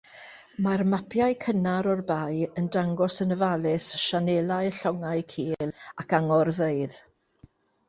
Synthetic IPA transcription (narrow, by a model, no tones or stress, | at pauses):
marmapʰjaɨkʰənaɾɔrbajəndaŋɡɔsənəvalɪsʃanɛlˠaɨɬɔŋaɨjkʰiːlˠakaŋɔrveɨð